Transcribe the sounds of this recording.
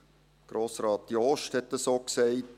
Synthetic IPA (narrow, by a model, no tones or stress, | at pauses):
ɡ̥ɾoːsɾɑːtdiɔʃthɛtːəsoːksɛɪt